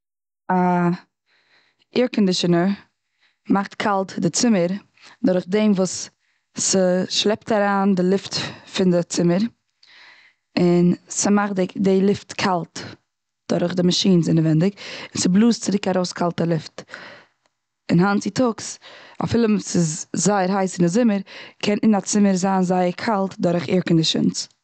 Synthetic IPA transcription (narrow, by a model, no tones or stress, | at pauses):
a | ɪɹkɔndɪʃənə | maχtkʰalˠtdɪt͡sɪməɾ | dʊɾχdemvuːs | səʃlˠɛptaɾaːndɪlˠɪftfɪndɪt͡sɪməɾ | ɪnsəmaχɪdɪlˠɪftkʰalˠt | d̥ʊɾχdɪmaʃiːnzɪnəvɛndɪkɪnsɪblˠuːstt͡sɪɾɪkaɾoʊskʰalˠtəlˠɪft | ɪnhant͡sɪtʊksa̰fɪlˠəmsɪszaɪəɾɦaɪsɪnɪzɪməɾkʰɛnɪnat͡sɪməɾzaːnzaɪəɾkʰalˠtdʊɾχɪ̰ɾkn̩dɪʃɪ̰nt͡s